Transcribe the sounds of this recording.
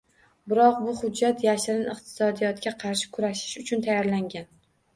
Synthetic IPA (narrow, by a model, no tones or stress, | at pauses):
bɪɾɒq̚bʊhʊd͡ʒːat̪jaʃɪɾɪnɨqt̪ʰɪ̥sɒd̪ijɒt̪kʲaqʰɑɾʃɪ̥kʰʊɾaʃɪ̥ʃʊt͡ʃʰʊnt̪ʰajɒɾlaŋɡʲan